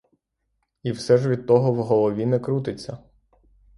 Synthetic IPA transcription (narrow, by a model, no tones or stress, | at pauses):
iwsɛʒʋʲid̪̚t̪ɔɦɔwɦɔlˠɔʋʲinɛkɾut̪ɪt͡sʲːɐ